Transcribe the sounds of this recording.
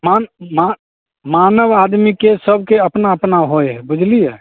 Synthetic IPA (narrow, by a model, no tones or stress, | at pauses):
manma | manəʋad̪mikesəbʱkeəpnaəpnaɦoeɦɛbud͡ʒʱlijɛ